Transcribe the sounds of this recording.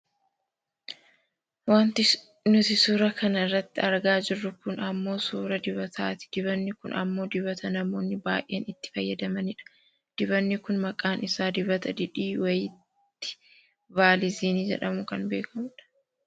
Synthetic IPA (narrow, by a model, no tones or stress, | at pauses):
waːnt̪ɪ | nʊt̪ɪsuːɾɐkʰɐnɐɪrːɐt̪ːɪɐɾɡaːd͡ʒɪrːʊkʊnɐmːo̞ːsuːɾɐd̪ɪβɐt̪ʰaːt̪ɪ̥d̪̥ɪbɐnːɪkʊnɐ̰mːo̞ːd̪ɪβɐt̪ɐnɐmo̞ːnːɪbaːʔːeːnɪt̪ːɪ̥fɐjːɐd̪ɐmɐnɪᶑɐ̥ | d̪̥ɪβɐnːɪkʊnmɐkʼaːnɪsaːd̪ɪbɐt̪ɐd̪ɪᶑiːwɐjɪt̪ː | ɪ̥ | vaːlɪziːniːd͡ʒɛ̰ᶑɐmʊkɐnbe̞ːkɐmʊᶑɐ̥